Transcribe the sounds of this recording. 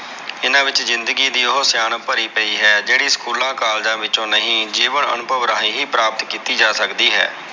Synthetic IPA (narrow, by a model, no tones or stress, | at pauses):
ɪnãːʋɪt͡ʃzɪnd̪əɡiːd̪iːɦosjaːnpəɾiːpəiːɦɛːd͡ʒeːɽiːskuːlãːkaːld͡ʒãːʋɪt͡ʃõːnəɦĩːd͡ʒiːʋəɳə̰nʊbʱəʋɾaːiːɦiːpɾaːpət̪kiːt̪iːd͡ʒaːsəkd̪iːɦɛ̰ː